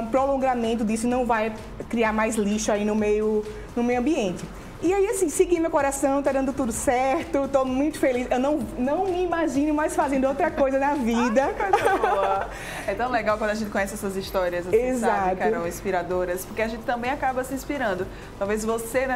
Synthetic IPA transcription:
pɾolõŋɡamẽnt̪̬ʊd̪isʊɪnɐ̃w̃vaj | kɾiaɾmajzliʃʊainʊmejʊ | nʊmejʊɐ̃mbiẽnt̪ɪ | iaiasĩsɪɡĩmewkoɾasɐ̃w̃t̪ad̪ɐ̃nd̪ʊt̪ud̪ʊsɛɾt̪ʊt̪omũj̃t̪ʊ̥felisewnɐ̃w̃nɐ̃w̃imaʒĩnʊmajsfazẽnd̪ʊowt̪ɾɐk̪ojzɐnɐvid̪ɐko | ɛt̪ɐ̃w̃leɡawkwɐ̃d̪aʒẽt̪ɪkõɲɛsɪɛsɐzist̪ɔɾiɐzoezsat̪kɛʊɛɾɐ̃w̃ĩspiɾad̪oɾɐspoɾkeaʒẽnt̪ɪt̪ɐ̃mbẽj̃akabɐsɪĩspiɾɐ̃nd̪ʊ | t̪awvezvosenɛ

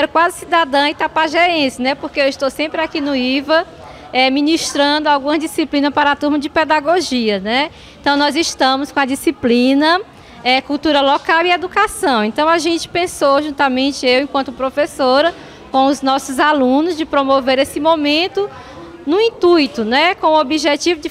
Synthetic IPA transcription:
ɛɾʊkwazɪsid̪ad̪ɐ̃w̃it̪apaʒɛɾẽsɪnɛpohkeewiʃt̪owsẽmpɾɪakinʊivɐ | ɛmĩniʃt̪ɾɐ̃nd̪ʊawɡũmɐzd͡ʒisiplĩnɐspaɾɐat̪uɾmɐd͡ʒɪpɛd̪aɡoʒiɐnɛ | ẽt̪ɐ̃w̃nɔziʃt̪ɐ̃mʊskõɐd͡ʒisiplĩnɐ | ɛkuwt̪uɾɐlɔkawied̪ukasɐ̃w̃ẽnt̪ɐ̃w̃aʒẽnt͡ʃɪ̥pẽsoʒũt̪amẽnt͡ʃɪewẽkwɐ̃nt̪ʊpɾofesoɾɐ | kõʊznɔsʊzalũnʊzd͡ʒɪpɾomoveɾesɪmõmẽnt̪ʊ | nũĩt̪ujt̪ʊnɛkõobiʒet͡ʃivʊd͡ʒɪ

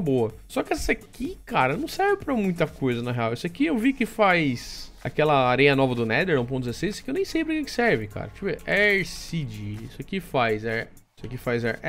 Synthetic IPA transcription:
boɐsɔkɪɛsakikaɾɐnɐ̃w̃sɛɾvɪpɾɐmũj̃t̪ɐkojzɐnɐɦeawisʊakiewviʊkɪfajs | a̰kɛlɐaɾẽjɐnɔvɐd̪ʊnɛd̪eɾõpõd̪ɪzesejzskewnẽj̃sejpɾĩkɛ̃kɪ̥sɛɾvɪka̰ɾɐt͡ʃivɛʔɛɾsid͡ʒiisʊakifajzɛ | isʊɐkifajzɛ

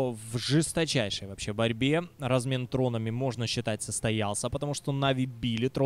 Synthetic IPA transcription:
vʐɨst̪ɐt͡ɕæjʂəjvɐpɕːe̞bɐɾʲbʲe̞rɐzmʲe̞nt̪ɾo̞nəmʲɪmo̞ʐnəɕːɪt̪atʲsəst̪ɐjalˠsʲəpət̪ɐmuʂt̪o̞nɐvʲɪbʲilʲɪt̪ɾo

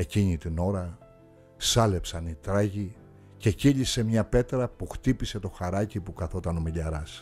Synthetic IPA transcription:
e̞ciɲit̪ino̞ɾɐ | sɐle̞psɐnit̪ɾɐʝi | ce̞ciʎise̞mɲɐpe̞t̪ɾɐpuxt̪ipise̞t̪o̞xɐɾɐcipukɐθo̞t̪ɐno̞miʎɐɾɐs

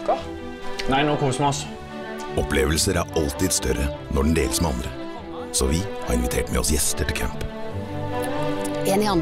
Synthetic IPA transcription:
næɪnoːkʰɔːsmɔs | ɔpleːʋəlsəɾæɾɑlt̪ɪd̪st̪œɾə | nɔɖɳ̩n̩d̪ḛːləsmɛɑnd̪ɾə | sɔʋɪhɑ̰ːɾɪnʋɪt̪ʰeːʈmɛ̰ɔsjɛst̪əʈʰɪlkʰæ̰mp | eːnɪɑ

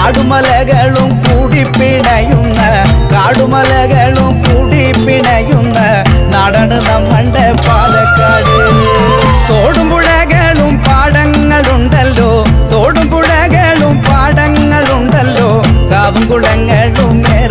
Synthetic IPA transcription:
ɽumɐlɐɣɐɭumkuːɽipːiɳɐjunːɐ | kaːɽumɐlɐɣɐɭumkuːɽipːiɳɐjunːɐ | nɐɽɐɳɨnɐmːɐɳɖepaːðɐkːaːɽɨ | t̪oːɽumbuɻɐɣɐɭumpaːɽɐŋːɐɭuɳɖɐlːoː | t̪oːɽumbuɻɐɣɐɭumpaːɽɐŋːɐɭuɳɖɐlːoː | kaːʋɐŋɡuɭɐŋːɐɭumneːɾ

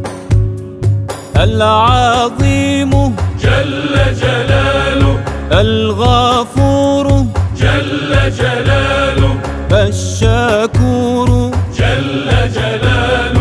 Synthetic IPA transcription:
ʔalʕɑðˤiːmʊd͡ʒalːad͡ʒalaːlʊʔalɣafuːɾd͡ʒalːad͡ʒalaːlʊ | ʔaʃːakuːɾd͡ʒalːad͡ʒalaː

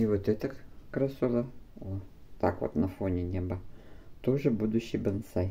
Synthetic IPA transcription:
ivot̪ɛt̪əkkɾɐsulˠɐot̪a̰kʋo̰t̪nɐfonʲɪnʲebɐt̪oʐɨbud̪ʊɕːɪbɐnsaj

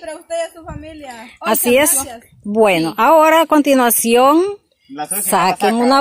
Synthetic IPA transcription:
asies | bwenoʔaoɾakont̪inwasjoŋ | sakeŋũna

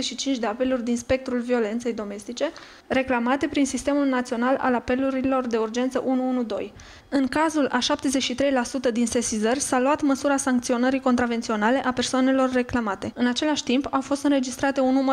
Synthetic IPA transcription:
eʃit͡ʃint͡ʃd̪e̞ape̞lurʲd̪inspe̞k̚t̪ɾulvio̞le̞nt̪se̞jd̪o̞me̞st̪it͡ʃe̞ | re̞klamat̪e̞pɾinsist̪e̞mulnat̪sio̞nala̰lape̞luɾilo̞rd̪e̞urd͡ʒe̞nt̪səʔunuunud̪o̞̰j | ɨŋkazulʔaʃap̚t̪e̞zeʃit̪ɾe̞jlasut̪əd̪inse̞sizərʲsaluat̪məsuɾasaŋk̚t̪sio̞nəɾikot̪ɾavent̪sio̞nale̞ʔape̞rsoane̞lo̞rːe̞klamat̪e̞ɨnat͡ʃe̞laʃʲt̪impawfo̞st̪ɨnɾe̞d͡ʒist̪ɾat̪e̞unːumə

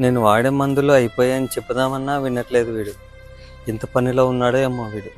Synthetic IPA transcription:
ne̞ːnuʋaːɽeːmːɐnd̪uluɐjipoːjaːɐnit͡ʃepːɐd̪aːmɐnːaːʋinːɐʈle̞ːd̪uʋiːɽu | int̪ɐpɐnilo̞ːunːaːɽuemːoːʋiːɽu

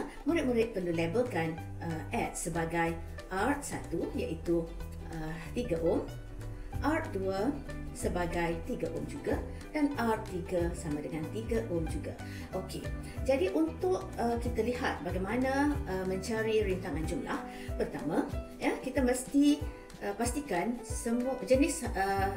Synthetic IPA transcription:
muɾɪt̪̚muɾɪt̪̚pənulebəlkan | əɛt̪̚səbaɡaj | ʔart̪̚sat̪ujaʔit̪u | ət̪iɡaʔom | ʔart̪̚duə | səbaɡajt̪iɡaʔʊmd͡ʒuɡa | danart̪̚ːiɡasamãdəŋant̪iɡaʔʊmd͡ʒuɡa̰ | ʔokḛ | d͡ʒadiʔunt̪ʊʔəkit̪aliɦat̪̚baɡajmanãəmə̃ɲt͡ʃaɾiɾint̪aŋand͡ʒumla̰h | pərt̪amãjakit̪aməst̪i | əpast̪ikansəmud͡ʒənɪsə

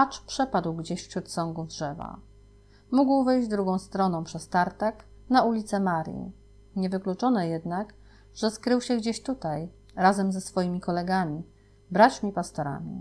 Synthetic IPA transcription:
at͡ʂpʂɛpad̪wɡd͡ʑeɕfɕɾut̪sɔŋɡuvdʐɛva̰ | muɡwvɘjd͡ʑd̪ɾuɡɔ̃w̃st̪ɾɔnɔ̃w̃pʂɛst̪aɾt̪ak | naulʲit̪sɛmaɾʲjḭ | ɲɛvɘklut͡ʂɔnɛjɛd̪nak | ʐ̥ɛskɾɘwɕɛɡd͡ʑeɕt̪ut̪aj | ɾazɛmzɛsfɔjimʲikɔlɛɡamʲi | bɾat͡ɕmʲipast̪ɔɾa̰mʲḭ

